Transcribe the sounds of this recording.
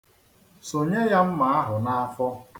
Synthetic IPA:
so˨ɲe˦ja˦m̩˦ma˨a˦ɦʊ˨na˦fɔ˦

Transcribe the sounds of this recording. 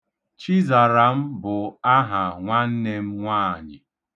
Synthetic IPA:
t͡ʃi˦za˨ɾa˨m̩˦bʊ˨a˦ɦa˨ŋʷa˦n̩˦ne˦m̩˦ŋʷaː˦˨ɲɪ̰˨

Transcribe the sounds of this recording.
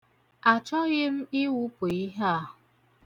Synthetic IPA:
a˨t͡ʃɔ˦ɣɪ˦m̩˦ɪ˦wu˦po˨i˦ɦa˦˨ʊ˨

